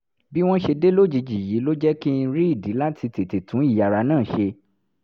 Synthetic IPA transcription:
bi˦w̃ɔ̃˦ʃe˧de˦lo˦d͡ʒi˨˧d͡ʒi˨ji˨˦lo˦d͡ʒɛ˦ki˦˧ɾi˦i˦˨di˨˦la˦tʰi˧te˨te˨tʰũ˨˦i˦˨ja˨ɾa˧nãː˦˨ʃe˧

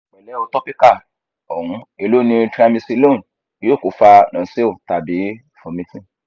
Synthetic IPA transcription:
mɛ˨lɛ˨˦o˧tɔ˦pi˦ka˦˨ | ɔ˨hũ˨˦e˧lo˦nĩ˧tɾa˧mĩ˧si˧lõ˦˨˦ | o˦˨ko˨fa˧nã˨˦se˦o˦˨ta˨bi˨˦ | fɔ̃˧mĩ˦tĩ˦

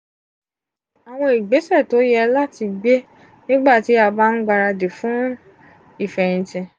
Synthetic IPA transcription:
a˨w̃ɔ̃˧i˨ɡ͡be˨˦sɛ˦˨to˨˦jɛ˦˧la˦ti˧ɡ͡be˦ | nĩ˦ɡ͡ba˦˨ti˨˦a˧ba˦n̩˦ɡ͡ba˧ɾa˧de˨fũ˨˦ | i˦˨fɛ˨ɾ̃ĩ˨tɛ̃˨

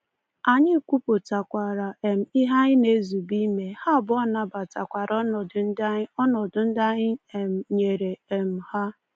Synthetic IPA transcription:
a˨ɲɪ˦˨kʷu˦po˨ta˨kʷa˨ɾa˨ʔe˨m̩˨i˦ɦa˦ɲɪ˦ne˦zu˨bi˦me˨ha˦˨bʊ˦ɔ˦˨na˨ba˨ta˨kʷa˨ɾʔɔ˦nɔ˨dʊ˨˦n̩˦da˦ɔ˦nɔ˨dʊ˨n̩˦da˦ɲɪ˦e˨m̩˨ɲe˨ɾe˨e˨m̩˨ha˦

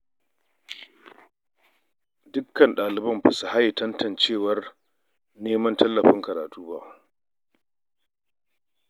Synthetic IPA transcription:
dʊ˦kːɐ˨nɗaː˨lɪ˨bɐ˦mba˨sa˨ha˦jtɐ˦ntɐ˨nt͡ʃeː˦˨wɐ˦r | neː˦mɐ˦ntɐ˦lːɐ˨ɸɪ˦ŋkɐ˨ɾaː˨tuː˦baː˦˨

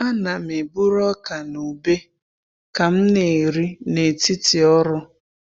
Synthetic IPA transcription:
a˦na˨m̩e˨bu˦ɾɔ˦ka˨nu˨be˦ | ka˨m̩˦ne˨ɾi˦ne˨tɪ˦tɪ˨ɔ˦ɾʊ˦

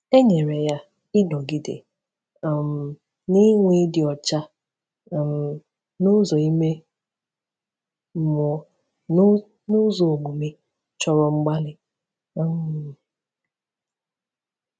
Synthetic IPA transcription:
e˦ɲe˨ɾe˨ja˦ | ɪ˦nɔ˨ɡi˨dḛ˨ | m̩˨ | ni˦ŋʷi˦dɪ˨ɔ˨t͡ʃa˦˨ | m̩˨ | nʊ˦zɔ˨i˦me˦ | m̩˨mʊ˨˦ | nʊ˦zo˨o˨ɡ͡bu˨mi˦ | t͡ʃɔ˦ɾɔ˨ŋ͡m̩˦ɡ͡ba˦lɪ˦˨ | m

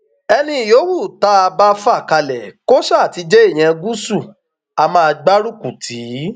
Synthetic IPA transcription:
ɛ˧nĩ˧i˨jo˨˦wu˦˨ta˨˦a˧ba˦fa˦˨ka˧lɛ˨ko˦ʃa˦a˨ti˨˦d͡ʒe˦e˦˨j̃ɛ̃˧ɡu˦su˦˨ | a˧mã˦a˧ɡ͡ba˦ɾu˦ku˨tʰi˨˦

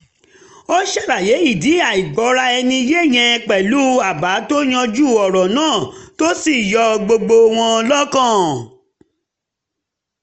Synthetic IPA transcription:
o˦ʃɛ˦˨ɾa˨je˨˦i˦˨di˨˦a˨i˨ɡ͡bɔ˨˦ɾa˧ɛ˧nĩ˧je˦˨j̃ɛ̃˧k͡pɛ˨lu˦a˦˨ba˨˦to˦j̃ã˧d͡ʒu˦˨ɔ˨ɾɔ˨nãː˦˨to˦si˦˨jɔ˧ɡ͡bo˧ɡ͡bo˧w̃ɔ̃˧lɔ˦kã˦˨

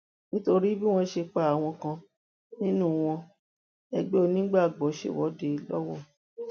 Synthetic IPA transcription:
nĩ˦to˧ɾi˦bi˦w̃ɔ̃˦ʃe˧k͡pa˨a˨w̃ɔ̃˧kã˧ | nĩ˦nũ˦˨w̃ɔ̃˧ | ɛ˧ɡ͡be˦o˧nĩ˦ɡ͡ba˦˨ɡ͡bɔ˨˦ʃḛ˦˨wɔ˨˦de˧˨˧lɔ˦wɔ˦˨

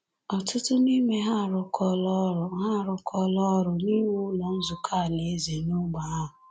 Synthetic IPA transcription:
ɔ˨tʊ˦tʊ˦ni˦me˦ɦa˦˨ɾʊ˨kʰɔ˦lɔ˦ɾʊ˨ɦa˦˨ɾʊ˨kʰɔ˦lɔ˦ɾʊ˨ni˦m˦ʊ˦lɔ˨n̩˦zʊ˨kʰa˦˨ne˨e˦ze˨nʊ˦ɡ͡ba˨a˦ɦʊ˨

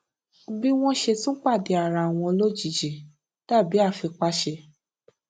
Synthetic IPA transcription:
bi˦w̃ɔ̃˦ʃe˧tũ˦k͡pa˦˨de˨˦a˨ɾa˨w̃ɔ̃˧o˧lo˦d͡ʒi˦˨d͡ʒi˨ | ta˦˨bi˨˦a˦˨fi˧k͡pa˧˦ʃe˧

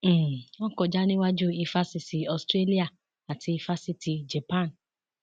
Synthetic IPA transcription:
ɔ̃˦kɔ˧˨d͡ʒa˦nĩ˦wa˦d͡ʒu˦i˧fa˦si˧si˨ɔ˨stɾe˦li˦a˨ | a˨tʰi˧i˧fa˦si˧ti˧d͡ʒɛ˨pã˦˨n

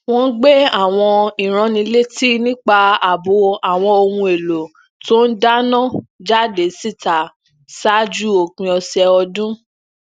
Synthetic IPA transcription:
w̃ɔ̃˦ɡ͡be˦a˦˨w̃ɔ̃˧i˨ɾ̃ã˨˧nĩ˧˦le˦ti˦nĩ˦k͡pa˧a˨bo˨˦a˨w̃ɔ̃˧o˧hũ˧e˨lo˨ | to˦n̩˦da˦nã˦˨d͡ʒa˦˨de˨˦si˦˨ta˨ | sa˦d͡ʒu˦o˨k͡pĩ˧ɔ˧sɛ˧ɔ˧dũ˦

